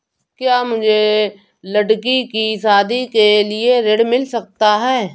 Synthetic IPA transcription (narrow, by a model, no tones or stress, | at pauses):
kjaːmʊd͡ʒʱe | lɐɽkikisaːd̪ikelieɾeɽmɪlsɐk̚t̪aɦɛː